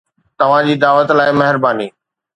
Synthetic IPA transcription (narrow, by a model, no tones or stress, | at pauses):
t̪ɐʋ̤ãd͡ʑiːd̪aːʋət̪laːɪmɐɦɪɾbaːniː